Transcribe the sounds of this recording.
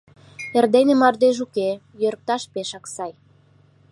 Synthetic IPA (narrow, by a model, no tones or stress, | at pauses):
erd̪enĕmɑrd̪eʒ̬uke | jøɾk̚t̪ɑʃpeʃɑksɑj